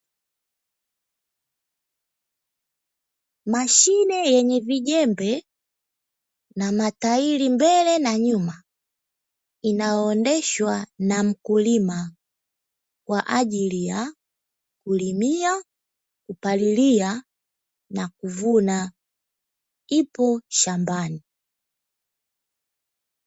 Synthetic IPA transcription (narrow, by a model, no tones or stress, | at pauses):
maʃinɛjɛɲɛviɟɛmbɛ | namatailimbɛlɛnaɲuma | inajɔːndɛʃwanam̩kulima | kwaʔaʄilija | kulimia | kupalilia | nakuvuna | ipɔʃambani